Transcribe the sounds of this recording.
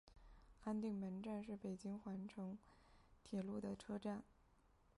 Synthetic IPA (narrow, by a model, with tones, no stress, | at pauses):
a˥nt̪i˥˩ŋmə˧˥nʈ͡ʂa˥˧nʂ̬ɻ̩˥˩pe˨˩ɪt͡ɕi˥ŋxwa˧˥nʈ͡ʂʰɤ˧˥ŋt̪ʰjɛ˨˩lu˥˩d̪ə˩ʈ͡ʂʰɤ˥ʈ͡ʂa˥˩n